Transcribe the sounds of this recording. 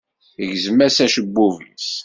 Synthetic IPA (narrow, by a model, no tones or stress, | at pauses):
əʝzəmːæsæʃəbːuvəns